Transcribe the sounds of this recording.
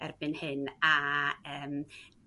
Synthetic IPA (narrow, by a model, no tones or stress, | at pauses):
ɛrbɨnhɨnaəːm